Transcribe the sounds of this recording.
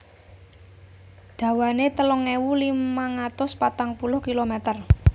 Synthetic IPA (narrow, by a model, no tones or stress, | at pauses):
d̪̥ä̤wanet̪əlɔŋewulimaŋat̪ʊspat̪aŋpulʊhkilomɛt̪ər